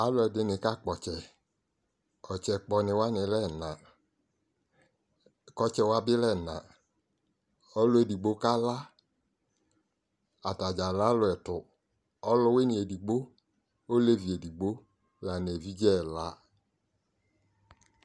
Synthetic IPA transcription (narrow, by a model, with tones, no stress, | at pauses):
a˨˦lʊ˧˦ɛ˨dɪ˧nɪ˨ka˦˨k͡pɔ˨t͡ʃɛ˨ | ɔ˨t͡ʃɛ˧k͡pɔ˧nɪ˧wa˦nɪ˨lɛ˦˨na˨ | kɔ˧t͡ʃɛ˧wa˧bɪ˦lɛ˦˨na˨ | ɔ˧˦lʊ˦e˨di˨ɡ͡bo˨˦ka˦la˦ | a˨ta˨d͡ʒa˨la˨˦lʊ˧ɛ˨tʊ˨ | ɔ˦lʊ˧˦we˦ni˨e˨di˨ɡ͡bo˦ | o˦le˦vi˨e˨di˨ɡ͡bo˦ | la˨n˨e˨vi˦d͡ʒɛ˦˨la˨˦